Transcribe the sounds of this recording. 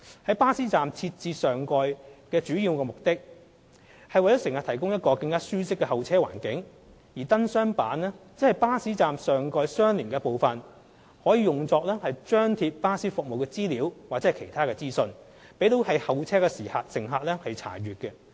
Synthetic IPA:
hɐ˨˥jpaː˥siː˥t͡saː˨mt͡sʰiː˧t̚t͡siː˨˧sœː˨ŋkɔː˧jkɛː˧t͡ʃyː˨˥jiː˧wkɛː˧mʊ˨k̚t̪ɪ˥k̚ | hɐ˨jwɐ˩jt͡sɔ˨˥sɪ˨ŋhaː˨t̪ʰɐ˨˩kʊ˥ŋjɐ˥t̚kɔː˧kɐ˧ŋkaː˥syː˥sɪ˥kːɛ˧hɐ˨wt͡sʰɛː˥wa̰ː˨˩nkɪ˨˥ŋ | jiː˨˩t̪ɐ˥nsœː˥ŋpaː˨˥nlɛː˥t͡sɪ˥hɐ˨jpaː˥siː˨˥t͡saː˨msœː˨ŋkɔː˧jsœː˥ŋliː˨˩nkɛ˧po˨wfɐ˨n | hɔː˨˥jiː˧jʊ˨ŋt͡sɔː˧k̚lɛː˥hɐ˨jt͡ʃœː˥ŋt̪ʰiː˧p̚paː˥siː˥fʊ˨k̚mo˨wkɛː˧t͡siː˥liː˨˥wwaː˨k̚t͡sɛː˨˥ɛ˨˩kʰe˨˩jt̪ʰaː˥kɛː˧t͡siː˥sɵ˧n | pe˨˥jt̪o˨˥whɐ˨jhɐ˨wt͡sʰɛː˥kɛ˧siː˨˩haː˨tsɪ˨˩ŋɦaː˨t̚lɛː˥hɐ˨jt͡sʰa̰ː˨˩ɥyː˨t̚kɛ˧

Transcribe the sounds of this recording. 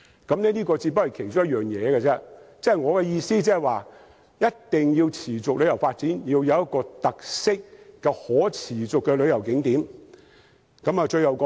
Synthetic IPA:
kɐ˨˧˥mnɛː˥niː˥kɔː˧t͡siː˧pɐ˥hɐ˨˩jkʰe˨˩t͡sɔ˥jɐ˥jœː˨˩ŋjɛː˨˧ɡɛ˧t͡sɛ˥t͡sɛ˥˨jŋɔː˨˧kɛ˧jiː˧siː˥t͡sɛː˥˨waː˨ | jɐ˥tt̪ɪ˨ŋjiː˧wt͡sʰiː˨˩t͡sʊ˨k̚lɵ˨˧ɥjɐ˨˩wfaː˧t̚t͡siː˨˥njiː˧wjɐ˨˧wjɐ˥t̚kːɔː˧t̪ɐ˨k̚sɪ˥k̚ːɛ˧hɔː˨˥t͡sʰiː˨˩t͡sʊ˨kːɛ˧lɵ˨˧ɥjɐ˨˩wkɪ˨˥ŋt̪iː˨˥m | kɐ˨˥maː˨t͡ʃɵ˧ɥjɐ˨wkɔ˨˧

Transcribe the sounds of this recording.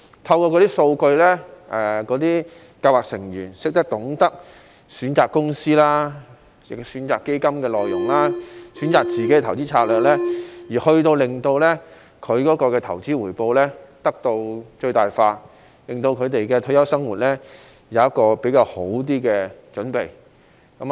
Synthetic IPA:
t̪ʰɐ˧wkɔː˧kɔ˨˧t̪i˥so˧wkɵ˧ɥlɛː˥ʔɛ˨kɔː˨˥t̪iː˥ | kaː˧waː˨k̚sɪ˨˩ŋjyː˨˩nsɪ˥k̚t̪ɐ˥k̚t̪ʊ˨˥ŋt̪ɐ˥k̚ | syː˨˥nt͡saː˨kːʊ˥ŋsiː˥laː˥ | ɪ˨ksyː˨˥nt͡saː˨kːe˥jkɐ˥mkɛː˧lɔː˨˩jjʊ˨˩ŋlaː˥syː˨˥nt͡saː˨k̚t͡siː˨ke˨˥jɛ˧t̪ʰɐ˨˩wt͡siː˥t͡sʰaː˧k̚lœː˨˩k̚lɛː˥jiː˨˩hɵ˧ɥt̪o˧wlɪ˨˩ŋt̪o˧wlɛː˥ | kʰɵ˨˧ɥkɔː˨˥kɔː˧kɛː˧t̪ʰɐ˨˩wt͡siː˥wuː˨˩jpo˧wlɛː˥t̪ɐ˥k̚t̪o˧wt͡ʃɵ˧ɥt̪aː˨jfaː˧ | lɪ˨ŋt̪o˧wkʰɵ˨˧ɥt̪e˨jkɛ˧t̪ʰɵ˥jɐ˥wsɐ˥ŋwuː˨t̚lɛː˥ | jɐ˨˧wjɐ˥t̚kɔː˧pe˨˥jkaː˧who˨˥wt̪̬iː˥kɛː˧t͡ʃɵ˨˥npe˨j | kɐ˨˥m

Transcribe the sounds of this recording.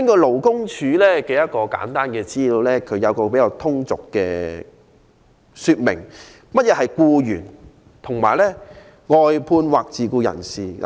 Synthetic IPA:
ɪ˥nkɔː˧lo˨˩wkʊ˥ŋt͡ʃʰyː˨˧lɛː˥ke˨˧jɐ˥t̚kɔː˧ka̰ː˨˥nt̪aː˥nkɛː˧t͡siː˥li˧wlɛː˥kʰɵ˨˧ɥjɐ˨˧wkɔː˧pe˨˥jaː˧wt̪ʰʊ˥ŋt͡sʊ˨kːɛː˧ | syː˧t̚mɪ̰˨˩ŋ | mɐ˥t̚jɛː˨˧hɐ˨jkuː˧jyː˨˩n | t̪ʰʊ˨˩ŋmaː˨˩jlɛː˥ | ŋɔː˨jpʰuː˧nwaː˨k̚t͡siː˨˧kuː˧jɐ̰˨˩nsiː˨

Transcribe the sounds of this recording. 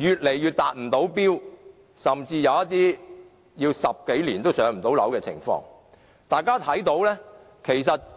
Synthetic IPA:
jyː˨t̚le˨˩jyː˨˩t̚t̪aː˨t̚m̩˨˩t̪o˨˥wpiː˥w | sɐ˨˩mt͡siː˧jɐ˨˧wɐ˥t̪̚ːiː˥ | jiː˧wsɐ˨p̚ke˨˥jliː˨˩nt̪o˥wsœː˨˥ŋm̩˨˩t̪o˨˥wlɐ̰˨˥wkɛː˧t͡sʰɪ̰˨˩ŋfɔ̰ː˧ŋ | t̪aː˨˩jkaː˥t̪ʰɐ˨˥jt̪o˨˥wlɛː˥ | kʰe˨˩jsɐ˨t̚

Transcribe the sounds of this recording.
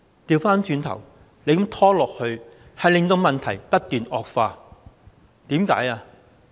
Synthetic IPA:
t̪iː˧wfaː˥nt͡ʃyː˧nt̪ʰɐ̰˨˩w | le˨˧jkɐ˨˥mt̪ʰɔː˥lɔː˨k̚hɵ˧ɥhɐ˨jlɪ˨ŋt̪o˧wmɐ˨nt̪ʰɐ˨˩jpɐ˥t̚t̪yː˨nɔː˨k̚faː˧ | t̪iː˨˥mka̰ː˨˥jaː˧

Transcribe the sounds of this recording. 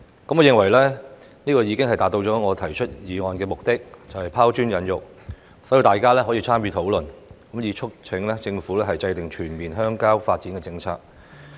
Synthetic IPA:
kɐ˨˥mɔː˨˧jɪ˨˧ŋwɐ˨˩jlɛː˥ | niː˥kɔː˧jiː˨˧kɪ˥ŋhɐ˨jt̪aː˨t̪̚o˧wt͡ʃɔː˨˥ŋɔː˨˧t̪ʰɐ˨˩jt͡ʃʰɵ˥t̚jiː˨˧ŋɔː˨˧nkɛː˧mʊ˨k̚t̪ɪ˥k̚t͡sɐ˨whɐ˨jpʰaː˥wt͡ʃyː˥njɐ˨˥njʊ˨˩k̚ | so˨˥ji˨˧wt̪aː˨jkaː˥lɛː˥ɦɔː˨˥jiː˧t͡sʰaː˥mjyː˧t̪ʰo˨˥wlɵ˨nkɐ˨˥mjiː˨˧t͡ʃʰʊ˥k̚t͡sʰɪ˨˧˥ŋlɛ˥t͡sɪ˧ŋfuː˨˥lɛː˥ɦɐ˨jt͡sɐ˧jt̪ɪ˨˩ŋt͡ʃʰyː˨˩nmiː˨˩nɦœː˥ŋkaː˥wfaː˧t̚t͡si˨˥nkɛː˧t͡sɪ˧ŋt͡sʰa̰ː˧k̚

